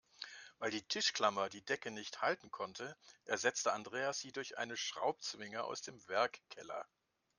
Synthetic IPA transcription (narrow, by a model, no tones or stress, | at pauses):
vaɪldiːtʰɪʃkl̥amɐdiːdɛkənɪçthaltn̩kʰɔntʰəʔɛɐzɛt͡stəandʁeːasz̥iːdʊɐçʔa̰ɪnəʃʁ̥a̰ʊp̚t͡sv̥ɪŋəʔa̰ʊsd̥eːmvɛɐkkʰːɛlɐ̰